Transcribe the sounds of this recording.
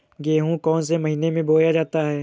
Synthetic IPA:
ɡeːɦũkɔːns̬emɐɦiːnemẽboːjad͡ʒaːt̪aɦɛː

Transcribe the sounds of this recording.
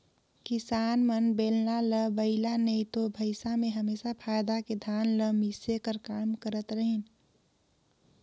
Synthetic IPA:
kɪsaːnmənbeːlnaləbəɪlanəɪt̪obʱəɪsamẽɦəmeːsapʰaːjd̪aked̪ʱaːnləmisekəɾkaːmkəɾət̪ɾəɦin

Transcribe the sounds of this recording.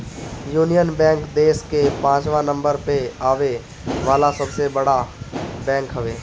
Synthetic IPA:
juːnijənbɛ̃ːŋkd̪eːskepãːt͡ʃʋanə̃mbəɾpeaːʋe | ʋaːlasɐbsebɐɽabɛ̃ːŋkɦɐʋeː

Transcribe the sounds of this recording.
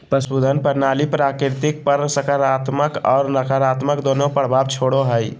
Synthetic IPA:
pəsbud̪ʱənpəɾnalipɾakɾt̪ik̚pəɾsəkəɾat̪məkɔ̰ːɾnəkʰəɾat̪məkd̪onopəɾbʱabt͡ʃʰoɽoɦəj

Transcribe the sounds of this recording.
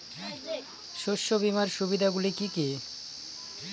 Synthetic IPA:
ʃoʃːobimaɾʃubid̪ʱaɡulikiki

